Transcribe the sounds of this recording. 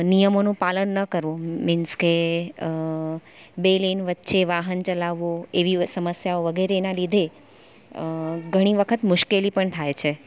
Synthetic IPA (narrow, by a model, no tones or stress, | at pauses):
nijəmonũpalənːəkəɾʋõmɪnske | belenʋət̪ːʃeʋaɦənt͡ʃəlaʋːoeʋisəməsjaoʋəɡʱeɾenalid̪ʱe | ɡʱəɽ̃iʋəkʰət̪mʊʃkelipəɳt̪ʰajt͡ʃʰe